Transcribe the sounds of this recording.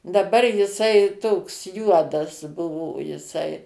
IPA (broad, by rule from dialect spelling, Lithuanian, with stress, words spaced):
dɐˈbɐr jɪˈsɐɪ ˈtoːks ˈjuɔdɐs ˈbʊʋoː jɪˈsɐɪ